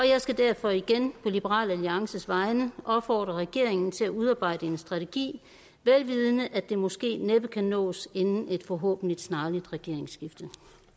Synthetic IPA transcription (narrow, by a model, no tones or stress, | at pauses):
ɒ̽jɑ̈ɪsɡ̥æd̥æɐ̰fɒ̽iɡ̥enpʰɒ̽lib̥əʁɑ̰̈ːlæliɑ̈ŋsəsʋɑ̈ɪnəʔɒ̽b̥fɒ̰ːd̥ʁɐʁɛɡ̥e̝̰ɐ̰eŋn̩t͡sʰe̝læuð̞ˠɑ̈ːb̥ɑ̈ɪ̰d̥əe̝nsd̥ʁɑ̈t͡sʰeɡ̥ḭː | ʋelʋiːð̞ˠənəʔæd̥e̝mɒ̽sɡ̥e̝̰ːneb̥ðkʰænɔ̰̽ːse̝nn̩e̝d̥fɒɦɔ̰ːb̥n̩lid̥snɑ̈ːlid̥ʁɛɡ̥e̝ɐ̰eŋsɡ̥ifd̥ə